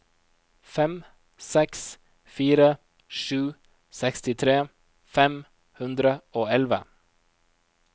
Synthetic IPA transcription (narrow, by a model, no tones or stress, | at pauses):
fɛm | sɛks | fiːɾə | ʃʉː | sɛkst̪ɪt̪ʰɾeː | fɛm | hʉnd̪ɾəoːɛlʋə̰